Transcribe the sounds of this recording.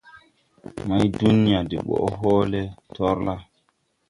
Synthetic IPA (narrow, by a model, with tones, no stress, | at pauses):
ma˦jdu˦ni˦a˨de˨ɓɔ̰˨ʔɦoː˦le˦tɔ˦ɾla˦